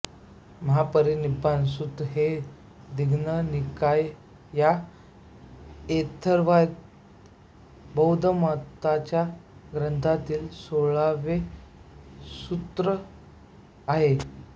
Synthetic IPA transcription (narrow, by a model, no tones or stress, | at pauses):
məɦapəɾinibansud̪ɦe | d̪iɡʱnənikaj | ja | et̪ʰəɾʋajt̪ | bəwd̪ʱəmat̪at͡ɕjaɡɾənt̪ʰat̪iːlsoɭaʋe | sut̪ɾə | aɦe